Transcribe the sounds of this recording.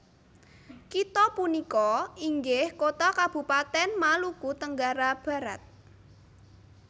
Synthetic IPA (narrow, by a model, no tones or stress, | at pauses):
kit̪ɔpunikɔiŋɡɪhkot̪akab̥ṳpat̪ɛnmalukut̪əŋɡaɾab̥ä̤ɾat̪̚